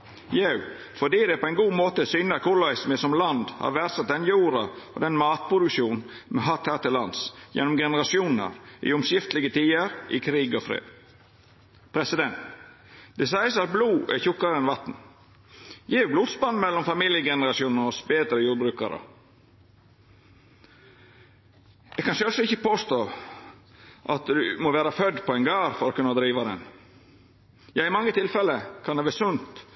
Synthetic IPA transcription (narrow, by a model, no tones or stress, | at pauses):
jeʉ | fɔɖiːd̪ɛpʰɔɛɪnɡuːmoːt̪əsʏnəkʰʊlɑɪsmɪsɔmlɑnd̪hɑ̰ɾʋæɾsɑt̪̚d̪ɛnjuːɾɑɔ̰d̪ɛnmɑːt̪̚pʰɾʊd̪ʉkʂuːnnmɛɦɑt̪hæːt̪ɪlɑnsjɛ̰nɔmɡɛnəɾɑsɪuːnn̩ə̰ɾɪ̰ʊmsjɪft̪lɪɡət̪ʰiːəɾʔɪkʰɾiːɡɔfɾḛːd̪ | pʰɾɛsɪd̪ɛnt̪ | d̪̥ɛsæɪəsɑt̪̚bluːʔɛçʊkːɑɾɛnʋɑt̪n̩ | jiːbluːd̪sbɑnːmɛlːɔmfɑmiːljəɡɛnəɾɑsɪuːnn̩ɔsbeːd̪ɾəjuːɾbɾʉːkɑɾə̰ | ʔɛɡkʰɑnsœsɔɪçəpʰoːst̪oː | ʔɑt̪d̪ʉmɔʋæːɾɑfœd̪pʰɔɛɪnɡɑːɾfɔɾɔːkʉnːɑd̪ɾiːʋɑd̪ɛ̰n | jɑːɪmɑŋːət̪ʰɪlfɛləkʰɑnɛʋeːsʉnt̪